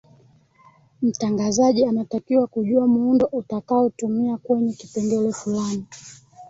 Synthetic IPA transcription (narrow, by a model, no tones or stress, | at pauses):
m̩taŋɡazaʄianatakiwakuʄuamuundɔʔutakaɔtumiakwɛɲɛkipɛndɛlɛfulani